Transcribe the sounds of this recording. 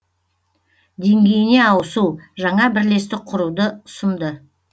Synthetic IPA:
d̪e̞ŋɡʲe̞jɪne̞ɑwəsuʒɑɴɑbɪɾle̞st̪ɪqʰʊɾud̪əʊsənd̪ə

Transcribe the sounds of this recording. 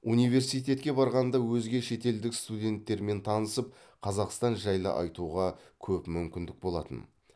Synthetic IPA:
unijve̞ɾsijt̪̬ʲe̞t̪kʲe̞bɑɾʁɑnd̪ɑwɵzɡʲe̞ʃe̞t̪e̞ld̪ɪkst̪ud̪ʲe̞nt̪ːe̞ɾme̞nt̪ʰɑnəsəp̚ | qʰɑzɑqst̪ɑnʒɑjlˠə̰ʔɑ̰jt̪uʁɑkʲʰɵpmʏmkʲɪnd̪ɪk̚bo̞lˠɑt̪ə̰n

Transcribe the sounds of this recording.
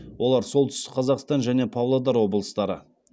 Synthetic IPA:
wo̞lˠɑɾso̞lˠt̪ʰʏ̥st̪ɪ̥qʰɑzɑqst̪ɑnʒæne̞pʰovlˠod̪ɑɾwo̞bəlˠəst̪ɑɾə̰

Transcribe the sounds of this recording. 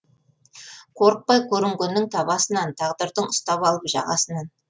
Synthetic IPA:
qʰo̞ɾəq̚pɑjkʲʰɵɾɪŋɡʲɪnːɪŋt̪ʰɑbɑsənɑnt̪ʰɑʁd̪əɾd̪əɴʊst̪ɑpɑlˠəpʒɑ̰ʁɑ̰sənɑn

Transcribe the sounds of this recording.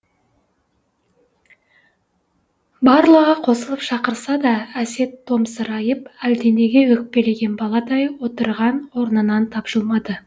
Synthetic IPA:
bɑɾlˠəʁəqʰo̞səlˠəpʃɑqəɾsɑd̪ɑæse̞t̪ːo̞msəɾɑjəpæld̪e̞ne̞ɡʲe̞wɵk̚pe̞le̞ɡʲe̞nbɑlˠɑd̪ɑjwo̞t̪əɾʁɑnwo̞ɾnənɑnt̪ʰɑpʒ̥əlˠmɑd̪ə

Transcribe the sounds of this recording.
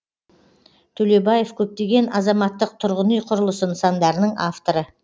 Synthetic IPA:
t̪ʰɵle̞bɑje̞fkʲʰɵp̚t̪e̞ɡʲe̞nɑzɑmɑt̪ːəq̚t̪ʰʊɾʁənijqʰʊɾəlˠəsənsɑnd̪ɑɾənəɴʔaft̪o̞ɾə

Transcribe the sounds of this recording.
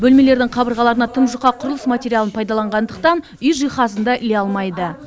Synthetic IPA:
bɵlme̞le̞ɾd̪ɪŋqʰɑbəɾʁɑlˠɑɾənɑt̪ʰəmʒʊqɑqʰʊɾəlˠəsmat̪ʲe̞ɾʲijalˠənpʰɑjd̪ɑlˠɑɴʁɑnd̪əq̚t̪ɑn | ʏjʒijχɑsənd̪ɑʔɪleɑlˠmɑjd̪ə

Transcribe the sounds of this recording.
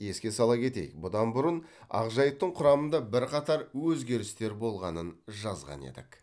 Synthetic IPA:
je̞skʲe̞sɑlˠɑkʲʰe̞t̪e̞̰jɪ̰k̚bʊd̪ɑnbʊɾənɑ̰ʁʒɑjəp̚t̪əɴqʰʊɾɑmənd̪ɑbɪɾqɑt̪ɑɾwɵzɡʲe̞ɾɪst̪e̞ɾbo̞lˠʁɑ̰nənʒɑzʁɑ̰ne̞̰d̪ɪ̰k

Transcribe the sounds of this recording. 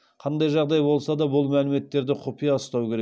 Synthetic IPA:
qʰɑnd̪ɑjʒɑʁd̪ɑjbo̞lˠsɑd̪ɑbʊlˠmælɪme̞t̪ːe̞ɾd̪ɪqʰopijɑʊst̪ɑwkʲʰe̞ɾek

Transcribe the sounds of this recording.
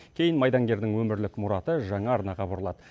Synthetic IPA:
kʲʰe̞jɪnmɑjd̪ɑŋɡʲe̞ɾd̪ɪŋwɵmɪɾlɪkmʊɾɑt̪əʒɑɴɑːɾnɑʁɑbʊɾəlˠɑd̪ə

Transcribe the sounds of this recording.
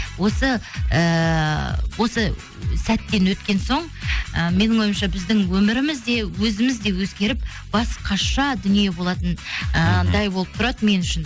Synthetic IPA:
wo̞səə | wʔo̞sə | sæt̪ːe̞nwɵt̪kʲe̞nso̞ɴ | əme̞nɪɴo̞jmʃɑbɪzd̪ɪŋwɵmɪɾɪmɪzd̪e̞wɵzɪmɪzd̪e̞wɵzɡʲe̞ɾɪp | b̥ɑsqʰɑʃɑd̪ʏnije̞bo̞lˠɑt̪ənəd̪ɑjbo̞lˠəp̚t̪ʰʊɾɑd̪əme̞nʏʃɪn

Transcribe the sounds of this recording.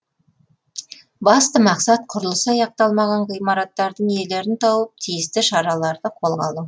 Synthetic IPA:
bɑst̪əmɑqsɑt̪qʰʊɾəlˠəsɑjɑq̚t̪ɑlˠmɑʁɑɴʁijmɑɾɑt̪ːɑɾd̪əɴe̞le̞ɾɪnt̪ʰɑwəp̚t̪ʰijɪst̪ɪʃɑɾɑlˠɑɾd̪əqʰo̞lˠʁɑlˠu

